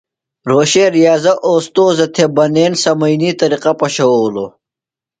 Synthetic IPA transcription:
ɾoːɕeɾijaːzɐʔoːst̪oːzɐt̪ʰebɐneːnsɐmɐjnit̪ɐɾiqapɐɕɐwowlo

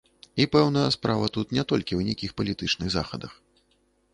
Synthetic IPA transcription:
ipɛwnɐjɐspɾavɐt̪ut̪nʲɛt̪ɔlʲkʲiwnʲɛkʲixpɐlʲit̪ɨt͡ʂnɨɣza̰xɐd̪ɐx

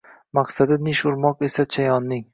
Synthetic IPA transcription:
maqsad̪anɪʃʊɾmɒqesat͡ʃʰajɒnːɪŋ

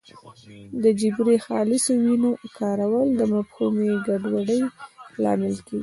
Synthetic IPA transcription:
d̪əd͡ʒɪbɾexɑlɪsowinokɑɾawəld̪əmafhumeɡaɖwaɽəjlɑ̰mɪlkeɡi

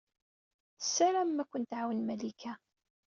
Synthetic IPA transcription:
sːæɾæmːækʷːənt̪ʕawənmælikʰæ

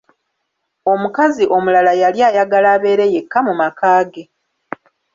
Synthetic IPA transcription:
o̞mukaziʔo̞mulalajaljaːjaɡalaːβe̞ːɾe̞je̞kːamumakaːɡe̞

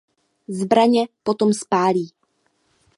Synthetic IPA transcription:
zbɾaɲɛpot̪omspaːliː

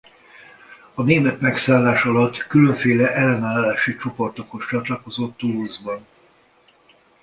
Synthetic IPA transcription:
ɒneːmɛt̪mɛksaːlːaːʃɒlɒt̪ːkylø̞ɱfeːlɛʔɛlːɛnaːlːaːʃit͡ʃopo̞rt̪o̞koʃt͡ʃɒt̪lɒko̞zot̪ːuluzbɒn

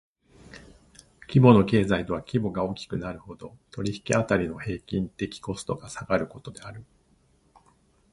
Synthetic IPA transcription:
kʲibo̞no̞ke̞ːzait̪o̞βakʲibo̞ɡao̞kʲi̥kɯ̟naɾɯ̟ho̞d̪o̞t̪o̞ɾʲiçi̥kʲiat̪aɾʲino̞he̞ːkʲĩnt̪e̞kʲi̥ko̞sɨ̥t̪o̞ɡasaɡaɾɯ̟ko̞t̪o̞d̪e̞aɾɯ̟

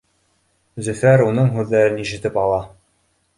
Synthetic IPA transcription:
zɵ̆fæɾunɤɴɦʉðːæɾɘniʃɘ̆t̪ɘpɑlˠɑ

